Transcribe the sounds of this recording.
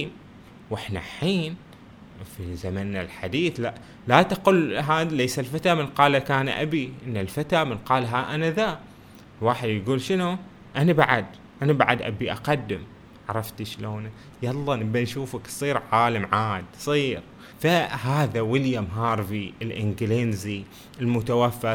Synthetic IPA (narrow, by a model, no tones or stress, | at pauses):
m | wʔɪħna̰ħiːn | fizamanːalħad̪iːθla | lat̪aqʊlɦaːleːsalfat̪aːmɪnqɑːlakaːnʔa̰biʔɪnːalfat̪aːmɪnqɑːlɦaʔanaða | lwaːħɪd̪jɡuːlʃɪnu | ʔanabaʕad̪ | ʔanabaʕad̪ʔa̰biʔaqɑd̪ːɪm | ʕɑɾˤɑft̪ʃloːna | jɑlˤːɑːnɪbːanʃuːfaksˤiːɾʕaːlamʕaːd̪sˤiːɾ | faɦaːðawɪljamɦɑːɾˤfiɪlʔɪ̰nɡɪlenzi | ɪlmʊt̪awafːa